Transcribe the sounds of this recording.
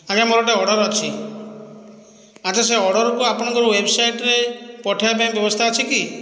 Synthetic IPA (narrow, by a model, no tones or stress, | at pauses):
aɡamɔɾɔʈeɔɽɔɾat͡ʃʰi | at̪es̬eɔɽɔɾɔkuapɔɽ̃ɔŋkɔɾuwebsajʈɾepɔʈʰaapaj̃bjɔbɔst̪ʰaːt͡ʃʰiki